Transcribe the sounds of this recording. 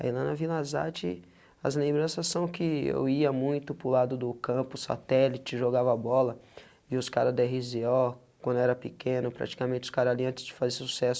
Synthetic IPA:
ɐ̰ḭlɐ̃nɐvilaza̰t͡ʃɪ̰ | ɐ̰zlẽbɾɐ̃sɐsːɐ̃w̃kɪḛwiɐmũj̃t̪ʊpɾʊlad̪ʊd̪ʊkɐ̃pʊsa̰t̪ɛlit͡ʃɪʒoɡavabɔlɐ | ɪʊskaɾɐd̪eɦiziɔ | kwɐ̃nd̪ʊɛɾɐpɪkʰẽnʊpɾa̰t͡ʃi̥kamẽnt͡ʃʊ̥skaɾaliɐ̃nt͡ʃ̪ɪzd͡ʒɪfazesu̥sɛsʊ

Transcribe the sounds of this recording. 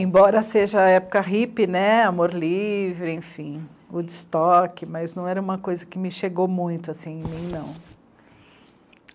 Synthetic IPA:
ẽbɔɾɐseʒɐɛpʊ̥kɐɦipɪnɛamoɾlivɾɪẽfĩ | ʊd͡ʒɪst̪ɔkɪmɐznɐ̃w̃ɛɾɐũmɐkojzɐkɪmɪʃeɡowmũj̃t̪ʊasĩẽmĩnɐ̃w̃

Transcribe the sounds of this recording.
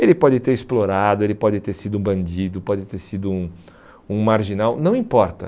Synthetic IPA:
elɪpɔd͡ʒɪt̪eɾɪsploɾad̪ʊelɪpɔd͡ʒɪt̪eɾsid̪ʊũbɐ̃nd͡ʒid̪ʊpɔd͡ʒɪt̪eɾsid̪ʊũ | ũmaɾʒinawnɐ̃w̃ĩpɔɾt̪ɐ̰

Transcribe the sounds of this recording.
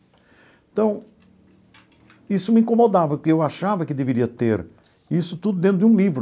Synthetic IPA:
ẽt̪ɐ̃w̃ | isʊmɪĩŋkõmod̪avɐkewaʃavɐkɪd̪eveɾiɐt̪eɾ | isʊt̪ud̪ʊd̪ẽt̪ɾʊd̪ɪũlivɾʊ

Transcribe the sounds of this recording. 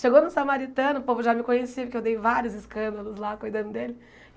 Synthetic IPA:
ʃeɡonʊsamaɾit̪ɐ̃nʊpovʊʒamɪkõɲesiʊkɪewd̪ejvaɾiʊzɪskɐ̃nd̪ɐlʊzlakojd̪ɐ̃nd̪ʊd̪elɪ

